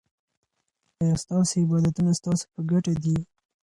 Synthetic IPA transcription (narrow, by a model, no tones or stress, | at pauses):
aast̪ɑsoɪbɑd̪at̪unast̪ɑso̥pəɡaʈad̪i